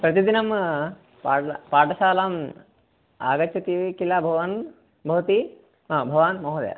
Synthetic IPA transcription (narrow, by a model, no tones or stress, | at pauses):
pɾɐt̪id̪inɐm | paːlɐpaːɾʈɐʃaːlaːm | a̰ːɡɐt͡ʃːɐt̪iʋikilaːbʱɐʋaːn | bʱɐʋɐt̪i | abʱɐʋaːnmɐɦɐd̪ɐ̰ja̰